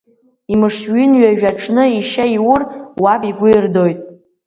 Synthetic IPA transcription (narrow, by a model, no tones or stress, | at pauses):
imɨʂɥʏnɥaʒᶣaʈ͡ʂʼʰnɨiʃaiwʊrwabiɡʷʊrdo̞jtʼ